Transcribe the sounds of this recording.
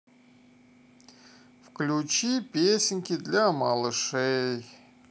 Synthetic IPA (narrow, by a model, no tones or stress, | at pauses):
fklʲut͡ɕipʲesʲɪnʲkʲɪd̪lʲamalˠɨʂɛj